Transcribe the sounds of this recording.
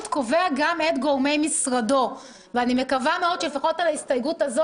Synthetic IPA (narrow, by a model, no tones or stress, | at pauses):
tko̞veaɡamet̪ɡoʁme̞jmisʁado̞ | veanime̞kavameo̞d̥̪ʃelefaχo̞talaist̪ajɡutazo